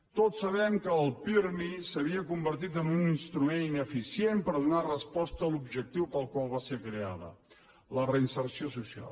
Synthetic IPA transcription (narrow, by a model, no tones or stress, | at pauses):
t̪otsːəβɛmkəːlˠpiɾnisəβ̞iəkumbəɾt̪it̪əmbuninst̪ɾumeninəfisiempəɾðunarəspɔst̪əːlubʒək̚t̪iwpalˠkwalˠβasekɾea̰ðə̰ | lərəinsərsiosusia̰l